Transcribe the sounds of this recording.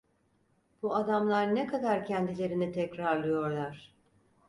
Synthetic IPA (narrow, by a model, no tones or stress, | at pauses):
b̥uad̪amlˠaɾnɛkʰad̪aɾcʰɛnd̪ilʲe̞ɾinit̪ʰɛcɾaɾlˠɯjo̞ɾlˠaɾ̥